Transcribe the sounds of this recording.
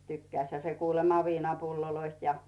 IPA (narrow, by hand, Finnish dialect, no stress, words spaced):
tykːæĭshæ se kuːlemɑ ʋiːnɑpulːoloist jɑ